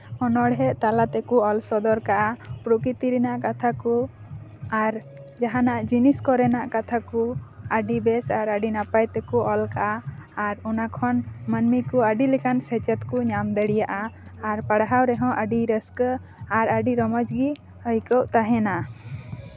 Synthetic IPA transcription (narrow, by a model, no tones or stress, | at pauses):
ɔnɔɽɦɛʔt̪alat̪ɛkuɔlsɔd̪ɔɾkaʔapɾukit̪iɾinaʔkat̪ʰaku | aɾ | d͡ʒaɦanaʔd͡ʒiniskɔɾɛnaʔkat̪ʰakuəɖibɛsaɾəɖinapajt̪ɛkuɔlkaʔaːɾɔnakʰɔnmənmikuəɖilɛkansɛt͡ʃɛt̪kuɲamd̪əɽijaʔaːɾpaɽɦawɾɛɦɔ̃ʔəɖiɾəsk | aɾəɖiɾɔmɔd͡ʒɡi | həjkɔwʔt̪aɦɛna